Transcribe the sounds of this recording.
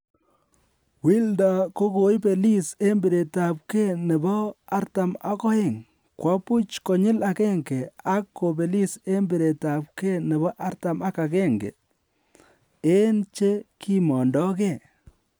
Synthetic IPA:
wi˦lda˨ko˦ko˨jpe˨li˦se˦mbi˨ɾe˨ta˨p̚ke˦ne˨bɔ˦a˦ɾta˨ma̰˦kɔ˦e˨ŋ | kwa˦pu˦t͡ʃkɔ˨ɲɪ˦la˨kɛ˦ŋke˨a˦kːo˨be˨li˦se˦mbe˨ɾe˨ta˨p̚ke˦nɛ˨βɔ˦ʔa˦ɾta˨ma˦ka˨kɛ˦ŋɡḛ˨ | e˦nt͡ʃe˦ki˦mɔ˨ndɔ˦ke˦˨

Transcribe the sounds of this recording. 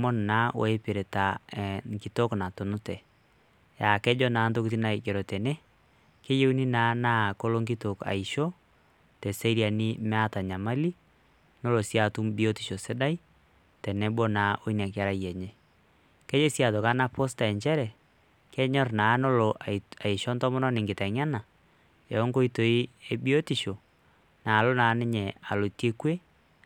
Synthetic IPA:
mɔ˦nnaː˦o̰˨e˦pɪ˨ɾe˨ta˨ŋki˨to˦kna˨to˨nʊ˦tɛ˨ | ja˨kɛ˦d͡ʒɔ˦naː˨˦nto˦kit̬i˦na˨i˨d͡ʒɛ˨ɾɔ˨tɛ˨nɛ˦ | ke˦je˦u˦ni˦naː˨˦naː˦ko˦lo˦ŋɡi˦to˨ka̰˨i˨ʃo˦ | tɛ˨se˦ɾja˨ni˦mɛ˦a˦ta˨ɲa˨ma˦li˦ | no˦lo˨sja˨tu˦mbi˦o˦ti̥˨ʃo˨sɪ˦da˦i˦ | tɛ˨nɛ˦bo˦na˨˦ʔo˦i˦na˨k̬a˦ɾa˦jɛ˨ɲɛ˦ | kɛ˦d͡ʒe˦sja˨to˨ka˦na˦pɔ˦sta˨ɛ˨ɲt͡ʃɛ˦ɾɛ˨ | kɛ˦ɲɔ˦rnaː˨˦no˦lo˨ʔa˨i˨ʃɔ˦ntɔ˦mɔ˦nɔ˦nɪ˨ŋɡɪ˨tɛ˨ŋa˦na˨ | ɛ˨ɔ˦ŋko˦i˦to˨i˦e˦bi˦o˦ti˨ʃo˨ | na˨lo˦naː˨˦nɪ˦ɲɛ˨a˨lo˨te˦kwe˦

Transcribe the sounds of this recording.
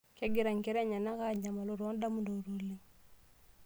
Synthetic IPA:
kɛ˦ɡiɾa˨ŋkɛ˦ɾɛ˦ɲa˨na˦ka˦ɲa˨ma˨lu˦ɾɔ˦nda˦mudo˨ɾu˨li˦

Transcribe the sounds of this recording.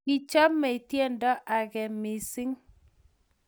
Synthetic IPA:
i˦t͡ʃa˦mːɛ˨i˨tje˦ndɔ˦ʔa˨ɡɛ˨mi˨sɪ˦ŋ

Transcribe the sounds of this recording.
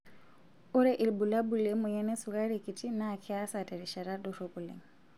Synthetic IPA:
ʊ˦ɾɛʔi˨lbula˦bu˨le˦mʊ˨ɲɛnɛ˦suka˦ɾi˨kʼi˨ti˦naː˨kʰɛ˦a˦sa˨tɛ˨ɾi˨ʃa˨ɾa˦dɔroku˨lɛ̰˨ŋ

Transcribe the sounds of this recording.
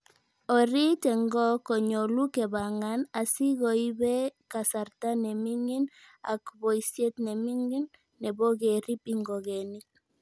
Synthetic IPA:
ɔ˨ɾi˦tɛ˨ŋɡɔ˦kɔ˨ɲo˨lu˦kɛ˨ba˨ŋa˦na˨si˦ɣo˨i˦bɛ˦ka˨sa˨ɾta˦nɛ˨mi˦ŋi˦na̰˨kbɔ˨i˨sje˦t̪nɛ˨mi˦ŋɡi˦nː | ɛ˨bɔ˦ɡe˨ɾi˦pi˦ŋɡɔ˨ɣe˨ni˦k̚

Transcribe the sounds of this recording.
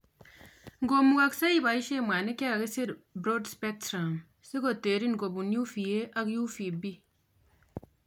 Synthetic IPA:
ŋɡo˨mːu˦ka˦ksa˦i˦ba˨i˦ʃe˦˨mʷaː˨ne˦kja˦˨ke˦se˦ɾbɾo˦dspɛ˦k̚tɾa˨m | se˦ko˨te˨ɾi˦ŋ˨ɡo˨bu˨nju˦fi˨e˦a˦kju˦fi˨bi˦

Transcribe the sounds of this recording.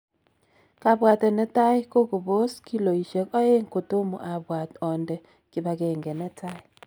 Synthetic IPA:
ka˨bwa˨tɛ˨nɛ˦ta˦jko˦ku˨bo˦ski˦lo˨i˨ʃe˨kɔ˦e˦ŋko˨to˦mo̰˨ʔa˨bwa˨tɔ˨ndɛ˨ | kɪ˨ba˨kɛ˨ŋɡɛ˨nɛ˦ta˦i˦˨

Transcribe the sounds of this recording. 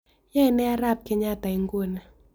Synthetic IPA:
ja˦ɪ˨nɛ˦a˦ɾa˦˨p̚kɪ˦ɲa˦˨ta˨i˦ŋɡwo˦˨na˨

